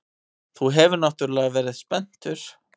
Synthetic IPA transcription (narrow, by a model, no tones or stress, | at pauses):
θuɦɛvʏɾnaht̪ʏɾlɛːɣavɛːɾɪðspɛn̥t̪ʏɾ̥